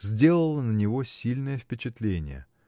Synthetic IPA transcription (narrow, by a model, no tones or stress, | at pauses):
zʲdʲe̞lˠəlˠənənʲɪvo̞sʲilʲnəjəfpʲɪt͡ɕɪt̪lʲenʲɪ̰jə̰